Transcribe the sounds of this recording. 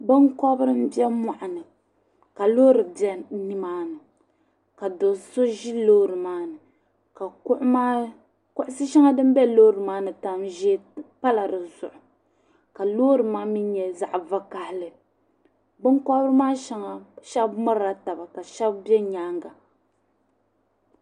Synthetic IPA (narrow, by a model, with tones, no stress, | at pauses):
bɨ˦nkɔ˦bɨ˦ɾɨ˦m̩˦bɛ˦ma˨ʔa˨nɨ˨ | ka˨lo˦ɾɨ˨bɛ˦ni˦maː˦nɨ˨ | ka˨do˨so˦ʒi˦loː˦ɾɨ˨maː˦nɨ˨ | ka˨kʔma˦ | kʊ˦ʔʊ˦sɨ˦ʃɛ˦ŋa˦dɨ˦m˦bɛ˦loː˦ɾɨ˨maː˦nɨ˨ta˦mʒɛ˦pa˦la˨ɾɨ˨zʊ˨ʔʊ˨ | ka˨loː˦ɾɨ˨maː˦mi˦ɲɛ˨za˨ʔva˦ka˦hɪ˦lɨ˨ | bɨ˦ŋkɔ˦bɨ˦ɾɨ˦maː˦ʃɛ˦ŋa˨ʃɛ˦bmɨ˦ɾa˨ta˨ba˨ka˨ʃɛ˦bbjɛ˦ɲaː˦ŋɡa˨